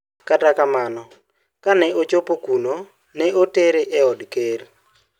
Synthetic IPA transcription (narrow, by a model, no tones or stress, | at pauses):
katakamanɔ | kanɛot͡ʃopokuno | nɛʔoteɾeʔɛɔdker